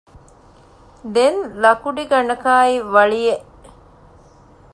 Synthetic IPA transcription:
d̪enlɐkuɖiɡɐɳɐkaːiʋɐɭijeʔ

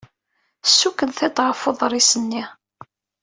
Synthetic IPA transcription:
sːukːənθɪt̪ˤʁəfoðˤɾˤisənːi

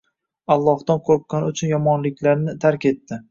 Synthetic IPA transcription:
alˠːɒhd̪ɒnqʰoɾk̚kanʊt͡ʃʰʊnjɒmɒnlɪkʲlaɾnɪt̪ʰaɾkʲe̞t̪ːɪ

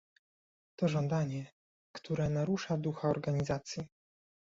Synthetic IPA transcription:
t̪ɔʐɔnd̪aɲɛ | kt̪uɾɛnaɾuʂad̪uxaɔɾɡaɲizat̪sʲji

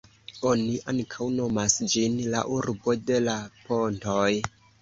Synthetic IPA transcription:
o̞niʔaŋkʰawno̞masd͡ʒinla̰ʔuɾbo̞de̞lapo̞ntoj

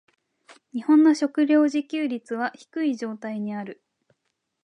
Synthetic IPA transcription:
ɲ̟ihõ̞nːo̞ɕo̞kɯ̟ɾʲjo̞ːʑikʲɨːɾʲit͡sɨβ̞açi̥kɯ̟iʑo̞ːt̪aiɲ̟iaɾɯ̟

